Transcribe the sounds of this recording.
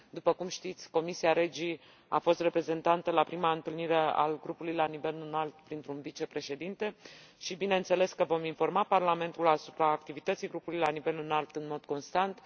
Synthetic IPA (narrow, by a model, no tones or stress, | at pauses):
d̪upəkumʃt̪it̪sʲko̞misiaɾe̞d͡ʒi | a̰fo̞st̪re̞pɾe̞ze̞nt̪ant̪əlapɾimaɨnt̪ɨlniɾe̞a̰lɡɾupulujlanive̞lɨnalt̪pɾint̪ɾunvit͡ʃe̞pɾe̞ʃe̞d̪int̪e̞ʃibine̞ɨnt̪se̞le̞skəvo̞minfo̞rmaparlame̞nt̪ulasu̥pɾaːkt̪ivit̪ət̪sijɡɾupulujlanive̞lɨnalt̪ɨnmo̞d̪ko̞nst̪ant̪